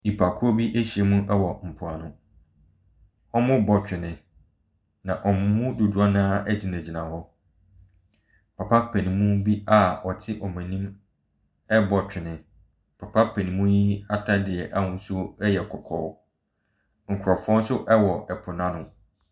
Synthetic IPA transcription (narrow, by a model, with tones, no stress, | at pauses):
i˨pʰa˨kʰʊ˦ɔ˦bi˦ʔe˦ɕi˨e˦mũ˦ʔɛ˦wɔ˨m̩˨pʰʊ˨a˨nʊ̃˦ | ɔ˦mʊ̃˦bɔ˨tʰᶣɪ˨nɪ̃˨ | nã˨ʔɔ˨mʊ̃˦mʊ̃˦dʊ˨du˨a˦nã˦ɛ˦d͡ʑɪ˦nã˨d͡ʑi˨nã˨hɔ˦ | pʰa˨pʰa˦pʰæ˨nĩ˨mũ˦bi˦a˦ɔ˨tʰɪ˦ʔɔ˨mɛ̃˨nĩ˦m | ɛ˦bɔ˨tʰᶣɪ˨nɪ̃˨ | pʰa˨pʰa˦pʰæ˨nĩ˨mũ˦ji˦a˦tʰa˦dɪ˨ɛ˨ʔa˦hʊ̃˦sʊ˦ɛ˦jɛ˨kʰɔ˨kʰɔ̰˨w | ŋ̩˨kʰʊ˨ɾɔ˨fɔ̃˦n˦sʊ˦ʔɛ˦wɔ˨ɛ˨pʰʊ˨nã˦nʊ̃˦